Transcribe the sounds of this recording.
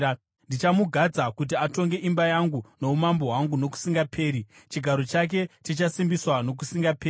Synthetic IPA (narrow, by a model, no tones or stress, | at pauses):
ndit͡ʃamuɡʱad͡zakut̬iato̞ŋɡe̞ʔimbajaŋɡuno̞umambo̞ɦwaŋɡuno̞ku̥siŋɡapʰe̞ːɾit͡ʃiɡʱaɾo̞t͡ʃak̬e̞tit͡ʃasimbiswano̞k̬usiŋɡapeː